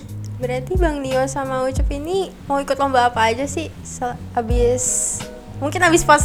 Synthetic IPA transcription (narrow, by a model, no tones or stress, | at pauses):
bəɾart̪ibaŋdiɔsamaut͡ʃəpini | mawikʊt̪lɔmbaːpaːd͡ʒasɪh | sə | abɪs | muŋkɪnabɪspas